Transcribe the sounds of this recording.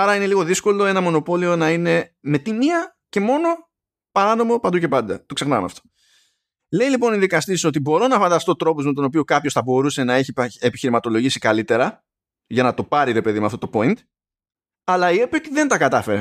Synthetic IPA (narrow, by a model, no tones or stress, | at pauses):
ɐɾɐine̞liɣo̞ðisko̞lo̞e̞nɐmo̞no̞po̞lio̞nɐine̞me̞t̪imiɐ | ce̞mo̞no̞ | pɐɾɐno̞mo̞pɐnd̪uce̞pɐnd̪ɐt̪o̞kse̞xnɐmɐ̰ft̪o̥ | le̞ijlipo̞niðikɐst̪iso̞t̪ibo̞ɾo̞nɐfɐnd̪ɐst̪o̞t̪ɾo̞pozme̞t̪o̞no̞piokɐpçosθɐbo̞ɾuse̞nɐe̞çiepiçiɾimɐt̪o̞lo̞ʝisikɐlit̪e̞ɾɐ | ʝɐnɐt̪o̞pɐɾiɾe̞pe̞ðimeɐ̰ft̪o̞t̪opo̞int̪ | ɐlɐipeot̪iðe̞nt̪ɐkɐt̪ɐfeɾe